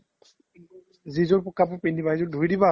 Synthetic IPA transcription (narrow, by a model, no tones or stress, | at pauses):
zizɔɹpɔkapʊpenibaɦizɔdʱujdiba